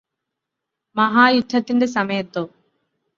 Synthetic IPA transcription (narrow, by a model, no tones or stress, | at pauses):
mɐɦaːjud̪ʱːɐt̪ːinde̞s̬ɐmɐjɐt̪ːoː